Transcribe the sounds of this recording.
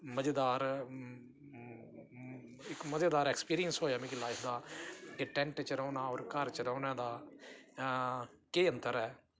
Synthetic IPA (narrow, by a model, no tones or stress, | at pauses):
məd͡ʒed̪aːɾ | ɪkməd͡ʒeːd̪aːɾɛːkspiːɾijənsɦoːjaːbĩːkilaːɪpʰd̪aːkeʈɛ̃ːɳʈt͡ʃəɾaːnaːɔːɾkəɾt͡ʃəɾãːnaːd̪aː | keːənt̪əɾɛː